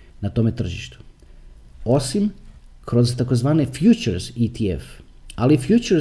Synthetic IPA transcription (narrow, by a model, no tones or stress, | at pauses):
nat̪o̞ːme̞t̪r̩ʒḭʃt̪u̥ | o̞simkɾo̞zt̪akozʋaːnefjut͡ʃeɾzit̪ʰiḛf | alifjuːt͡ʃeɾ